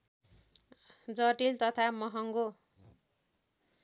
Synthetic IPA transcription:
d͡zʌʈilt̪ʌt̪ʰamʌɦʌŋɡo

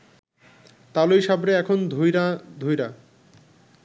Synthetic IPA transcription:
t̪alojʃabɾeɛkʰond̪ʱujɾad̪ʱujɾa

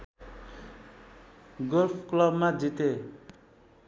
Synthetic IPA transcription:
ɡolpʰklʌbmad͡zit̪e

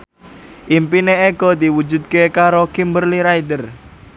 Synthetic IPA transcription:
ʔimpineeɡɔd̪i̤wu̥d͡ʒṳd̪̚kekaɾokimbərliɾaid̪ər

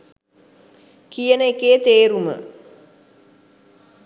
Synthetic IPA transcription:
kijənəekeːt̪eːɾumə̰

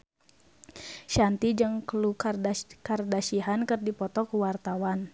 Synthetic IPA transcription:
ʃant̪id͡ʒɨŋklukarkardaʃiɦankɨrdipɔt̪ɔkuwart̪awan

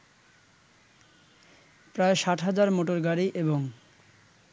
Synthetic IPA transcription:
pɾaeʃaʈʰɦad͡ʑaɾmoʈoɾɡaɾiʔeboŋ

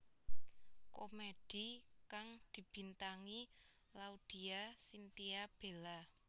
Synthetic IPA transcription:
komeɖ̥i̤kaŋd̪̥i̤b̥i̤nt̪aŋi | laud̪̥i̤asint̪iab̥e̤la

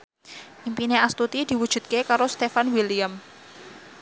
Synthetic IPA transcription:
ʔimpineast̪ut̪id̪̥i̤wud̥ʒ̥ṳd̪̚kekaɾost̪efanwilijam

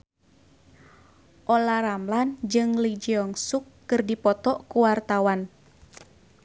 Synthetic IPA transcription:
ʔɔlaɾamland͡ʒɨŋlid͡ʒiɔŋsukːɨrdipɔt̪ɔʔkuwart̪awan

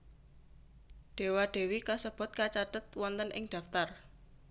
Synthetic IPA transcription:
ɖ̪̥e̤waɖ̪̥e̤wikasəb̥ʊ̤t̪̚kat͡ʃat̪ət̪wɔnt̪ənʔɪŋd̪̥a̤ft̪ar

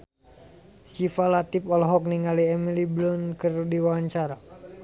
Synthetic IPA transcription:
sifalat̪ipɔlɔɦɔk̚niŋaliɛmiliblɔnkərdiwaaɲt͡ʃaɾa

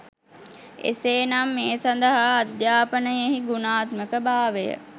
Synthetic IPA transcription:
ḛseːnamːeːsand̪əɦaːd̪jaːpənəjeɦiɡunaːt̪məkəbaːʋejə̰

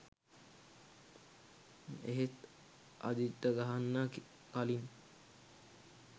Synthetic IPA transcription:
eɦet̪ | ʔa̰d̪it̪ːəɡaɦanːak | kalin

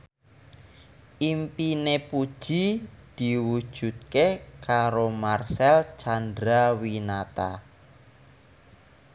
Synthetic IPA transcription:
ʔimpinepud̥ʒ̥id̪̥i̤wud̥ʒ̥ṳt̪̚kekaɾomarsɛlt͡ʃand̪ɾawinat̪a

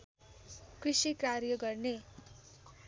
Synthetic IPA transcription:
krisikrarjʌɡʌrne

